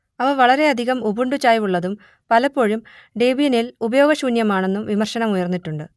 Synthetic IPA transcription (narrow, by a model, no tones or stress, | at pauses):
ɐʋɐʋɐɭɐɾe̞ɐd̪ʱiɣɐmubuɳɖut͡ɕːaːjʋuɭːɐðum | pɐlɐpːo̞ːɻum | ɖeːbijɐnilubɐjo̞ːɡɐɕuːnjɐmaːɳe̞nːumʋimɐrɕɐnɐmujɐrnːiʈːuɳɖɨ